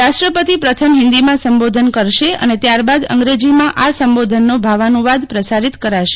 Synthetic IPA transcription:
aʃʈɾəpət̪ipɾət̪ʰəmɦɪ̃nd̪imãsəmbod̪ʱənkəɾʃeə̰net̪jaɾbad̪ə̰ŋɡɾed͡ʒimãʔasəmbod̪ʱənːobʱaʋanũʋad̪pɾəsaɾit̪kəɾaʃe̥

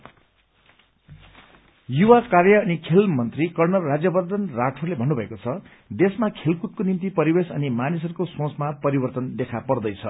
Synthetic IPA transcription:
juwakarjʌːnikʰelmʌnt̪rikʌrnʌrːad͡zjʌbʌrd̪ʱʌnraʈʰolebʱʌnːubʱʌekot͡sʰʌ | d̪esmakʰelkut̪̚konimt̪ipʌɾibesʌ̰nimanis̬ʌɾukosõt͡smapʌɾibʌrt̪ʌnd̪ekʰapʌrd̪ʌjt͡sʰʌ

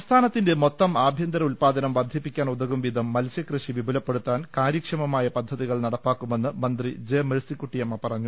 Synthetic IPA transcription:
st̪ʰaːnɐt̪ːinde̞mo̞t̪ːɐmaːbʱjɐnd̪ɐɾɐulpaːd̪ɐnɐmʋɐrd̪ʱipːikʲːaːnud̪ɐɣumʋid̪ʱɐmːɐlsjɐkrɨɕiʋibʱulɐpːe̞ɽut̪ːaːnkaːɾjikʂɐmɐmaːjɐpɐd̪ʱːɐðiɣɐɭnɐɽɐpːaːkːume̞nːɨmɐnd̪rid͡ʑeːmeɾsikːuʈːijɐmːɐpɐrɐɲːu

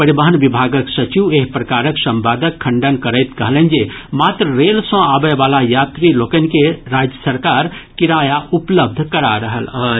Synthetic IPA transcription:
pəɾibəɦənʋibʱaɡəksət͡ʃiʋeɦpɾəkaɾəksə̃mbaːd̪əkʰːə̃ɳɖənkəɾəɪt̪kəɦələnd͡ʒemat̪ɾəɾelsə̃abəʋalajat̪ɾilokənkeɾad͡ʒjəsəɾkaːɾkiɾajaʔupləb̚d̪ʱkəɾaɾəɦələ

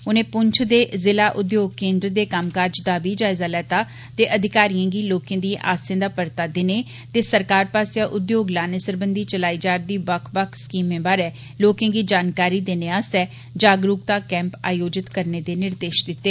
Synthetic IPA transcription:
ʊnẽːpʊɲt͡ʃʰd̪eːzɪlaːʔʊd̪joːɡ̚kẽːnd̪ɾd̪eːkaːmkaːɾd͡ʒd̪aːbiːd͡ʒaːɪzaːlɛːt̪aː | t̪eːʔəd̪ʱɪkaːɾijãːɡiːloːkẽːd̪ĩʔa̰ːsẽːd̪aːpəɾt̪aːd̪ɪneː | t̪eːsəɾkaːɾpaːsjaːʔʊd̪joːɡlaːnesəɾbənd̪iːt͡ʃəlaːiːd͡ʒaːɾd̪iːbəkʰbakʰskiːmẽːbaːɾɛː | loːkẽãːɡiːd͡ʒaːnkaːɾiːd̪eːneːaːst̪ɛː | d͡ʒaːɡɾuːk̚t̪aːkɛ̃ːmpa̰ːjoːd͡ʒɪt̪kəɾneːd̪eːnɪɾd̪eːʃd̪ɪt̪ːeː

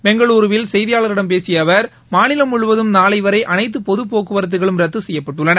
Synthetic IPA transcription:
mɛŋɡɐɭuːɾɯʋɪlsɛjðɪjaːɭɐɾɪɽɐmpeːsɪjɐʋɐɾ | maːnɪlɐmʊɻɯʋɐðɯmnaːlɐɪʋɐɾɐɪʔɐnɐɪt̪̬ːɯpɔðɯpoːkɯʋɐɾɐt̪ːɯɣɐɭɯmɾɛt̪ːɯsɛjːɐpːɐʈːɯɭːɐnɐ

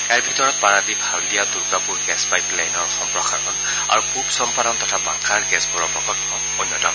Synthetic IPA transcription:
kajɹbʱitɔɹɔt̚paɹadibʱaldijaduɹɡapuɹɡɛspajplajnɔɹxɔmpɹɔxaɹɔn | a̰ɹukʰubsɔmpadɔntɔtʰaba̰ŋkʰaɹɡɛsbuɹɔɹpɹɔkɔtɔ | onːjɔtɔn

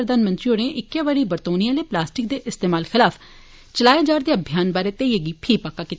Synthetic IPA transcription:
ɾəd̪aːnmənt̪ɾioːnẽːʔɪkːjaːʋaɾiːbəɾt̪oːnijãːleːplaːsʈɪk̚d̪eːʔɪst̪eːmaːlxʰɪlaːpʰ | t͡ʃəlaːed͡ʒaːɾd̪eːəbʱjaːnbaːɾeːt̪eiəɡiːpʰiːpakːaːkit̪ː

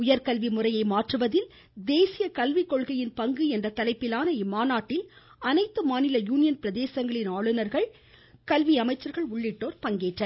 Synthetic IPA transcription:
ʊjɐɾkɐlʋimʊrɐjɐɪmaːʈrɯʋɐðɪl | d̪eːsɪjɐkɐlʋɪkːɔɭɣɐjɪnpɐŋɡɯɛndrɐt̪ɐlɐɪpːɪlaːnɐɪmaːnaːʈːɪl | ɐnɐɪt̪ːɯmaːnɪlɐjuːnɪjɐnpɪɾɐðeːsɐŋɡɐɭɪnaːɭɯnɐɾɣɐɭ | kɐlʋiɐmɐɪt͡ʃːɐɾɣɐɭʊɭːɪʈːoːɾpɐŋɡeːʈrɐ

